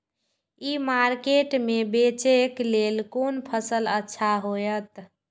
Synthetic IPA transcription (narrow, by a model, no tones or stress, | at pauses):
imaɾkeʈmebet͡ʃeklelkonpʰəsələtːʃʰaɦojət̪